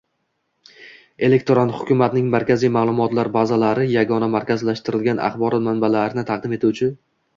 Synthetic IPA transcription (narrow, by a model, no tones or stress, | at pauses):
e̞le̞k̚ʲt̪ʰoɾant̪hʊkʲʰʊmat̪nɪŋmaɾkʲʰazijmaːlˠʊmɒt̪laɾbazalaɾɪjaɡɒnamaɾkʲazlaʃt̪ɪɾɪlɡʲanʔa̰χbɒɾɒt̪manbalaɾɪnɪt̪ʰɑq̚d̪ɪme̞t̪ʰuwt͡ʃʰɪ